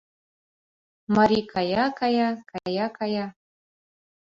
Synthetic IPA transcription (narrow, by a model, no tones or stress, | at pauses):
maɾikʰajakajakajakaja